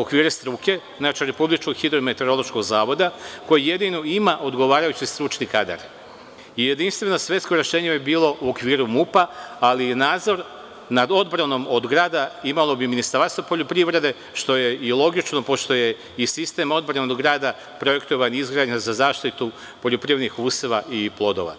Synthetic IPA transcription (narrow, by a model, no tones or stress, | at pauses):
okʋiːɾest̪ɾuke̞znaːt͡ʃiɾe̞publit͡ʃko̞ɡxid̪ɾomet̪e̞ɾo̞lˠo̞ʃko̞ɡzaːʋo̞d̪ako̞jeje̞d̪ino̞imaʔo̞d̪ɡo̞ʋaːɾajut͡ɕist̪ɾut͡ʃnikad̪a̰ɾ | ijed̪inst̪ʋe̞nosʋʲje̞t̪skoɾe̞ʃe̞ːɲebibiːlˠo̞ʔuokʋiːɾumupaalijenaːd̪zo̞ɾ | nad̪o̞d̪bɾano̞mo̞d̪ɡɾaːd̪aimalo̞biminist̪aɾst̪opo̞ʎopɾiʋɾe̞d̪e̞ | ʃt̪o̞je̞ilˠo̞ɡit͡ʃno̞po̞ʃt̪o̞je̞ | isist̪e̞mo̞d̪̚bɾanod̪ɡɾaːd̪a | pɾo̞je̞kt̪oʋaɲizɡɾaːd̪ɲazazaːʃt̪it̪u | po̞ʎopɾiʋed̪nixuːseʋaiplˠo̞d̪o̞̰ʋa̰